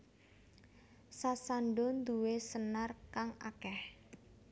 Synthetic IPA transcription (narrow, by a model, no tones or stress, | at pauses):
sasanɖɔnd̪uwesənarkaŋa̰kɛh